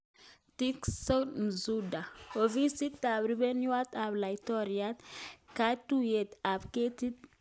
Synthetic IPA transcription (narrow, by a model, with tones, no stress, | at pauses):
tikso˦m˨zuda˨o˨vi˦si˦t̪ːa˨bɾibe˦nwa˦t̪a˨bla˨jtɔ˦ɾiat̪ka˦tu˦je˨t̪a˨bke˦t̪i˦t̪